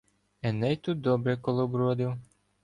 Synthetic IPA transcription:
ɛnɛjt̪ut̪̚d̪ɔbɾɛkɔlˠɔbɾɔd̪ɪw

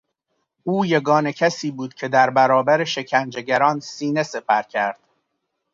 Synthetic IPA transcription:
uːje̞ɡɒːne̞cʰæsiːbuːd̪̥̚cʰe̞d̪æɾbæɾɒːbæɾe̞ʃe̞cʰænd͡ʒe̞ɟæɾɒːnsiːne̞se̞pʰæɾcʲʰæɾd̪̥

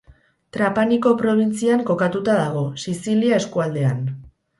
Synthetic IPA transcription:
t̪ɾapaniko̞pɾo̞β̞int͡siaŋko̞kat̪ut̪að̞aɣ̞o̞sisiliae̞skuald̪e̞an

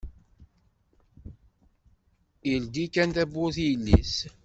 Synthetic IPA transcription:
ild̪ikːænt̪æbːʊθjəlːis

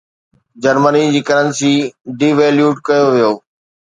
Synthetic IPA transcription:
d͡ʑɐɾmənid͡ʑiːkəɾə̃nsiɖiːʋeːljuːɖkɐjoʋijoː

